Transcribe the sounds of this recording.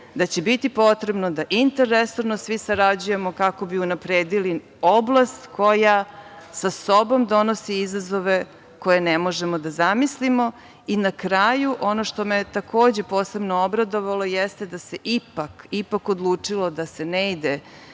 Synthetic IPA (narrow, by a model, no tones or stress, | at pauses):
d̪at͡ɕebit̪ipo̞t̪ɾe̞bno̞d̪aʔint̪eɾːeso̞ɾnosʋisaɾad͡ʑuje̞mo̞kako̞biunapɾeːd̪ili | oblˠast̪kojasaso̞bo̞md̪o̞no̞siizazo̞ʋe̞ | ko̞je̞nemo̞ʒemod̪azamislimo̞ | inakɾaːjuʔo̞no̞ʃt̪o̞me̞t̪akʰoːd͡ʑe̞poːse̞bnoobɾad̪o̞ʋalˠo̞jest̪ed̪aseʔipakipakod̪lˠuːt͡ʂilˠo̞d̪ase̞neid̪e